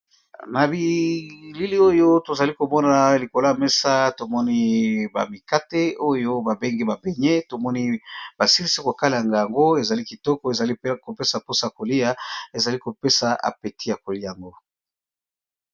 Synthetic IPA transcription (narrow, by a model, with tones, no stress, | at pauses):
na˨bi˨li˦li˦o˦jo˦to˨za˨li˦ko˨mɔ˦na˨li˨ko˨lo˦a˨me˦sa˦to˨mɔ˦ni˦ba̰˨mi˨ka˦te˦o˦jo˦ba˨be˦ŋɡi˦ba˨be˨ɲe˦to˨mɔ˦ni˦ba˨si˦li˦si˦ko˨ka˦la˨a˨ŋɡa˨ja˨ŋɡo˦e˨za˨li˦ki˨tɔ˦kɔ˨e˨za˨li˦ko˨pe˦sa˨po˦sa˨ko˨li˦a˦e˨za˨li˦ko˨pe˦sa˨a̰˨pe˨ti˦ja˨ko˨li˦˨a˨ŋɡo˦